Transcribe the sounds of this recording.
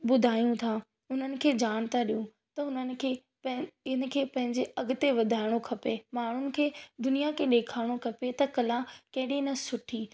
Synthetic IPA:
ɓʊd̪ʱaːjũt̪ʰa | ʊn̤ənɪ̆kʰeːd͡ʑaːɽ̃t̪aɗijũ | t̪ɐʊnənɪ̆kʰeː | ɪn̆kʰeːpɐ̃ɦɪ̃ɲd͡ʑeɐɡʊt̪eʋɐd̪ʱaːɪɽ̃okʰɐpemaːɳ̤ʊnɪ̆kʰeːd̪ʊnijakʰeɗeːkʰaːɪɽ̃okʰɐpet̪ɐkɐlakɐ̃ɦɪɗinɐsʊʈʰiː

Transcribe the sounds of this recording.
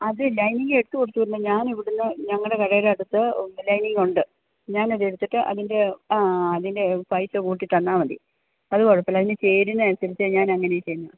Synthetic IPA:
ɐðɨlɐjniŋɡɨeɽut̪ːɨkoɽit̪ːuɐɾunːɐɲaːniʋiɽunːɐɲɐŋːɐɭɽe̞kɐɻɐjilɐɽut̪ːɨlɐjniŋɡuɳɖɨ | ɲaːnɐðeɽut̪ːiʈːɨʔɐ̰ðinde̞ɐðinde̞pɐjsɨkuːʈːiʈːɐnːaːʋɐɖḭ | ɐðɨkoɻɐpːɐlɐðinɨt͡ɕe̞ːɾunːɨɐnɐsɐɾit͡ɕːɐɲaːnɐŋːɐnejt͡ɕe̞jːnːɐð

